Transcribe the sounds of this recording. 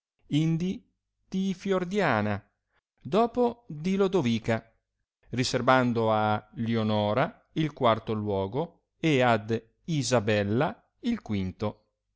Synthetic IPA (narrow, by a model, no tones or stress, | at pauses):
ind̪i | d̪̥ifjord̪jaːna | d̪ɔːpod̪ilod̪oviːka | riservand̪oaleonɔːɾa | ilkwart̪olwɔːɡo | ead̪ | izabɛlːa | ilkwint̪o